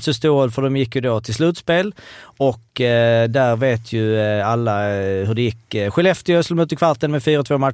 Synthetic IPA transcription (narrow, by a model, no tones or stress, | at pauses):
t̪səst̪oːəlfɔd̪ɛmjɪkːjʊd̪oːt̪ʰɪlslʉːt̪speːlɔkd̪æɾʋeːt̪ʰjʉalːɑhɵd̪ɛjɪkːɧɛlɛft̪ɪœslmʉːt̪əkʰʋaɾt̪ənmɛfyːɾɔt̪ʰvoːma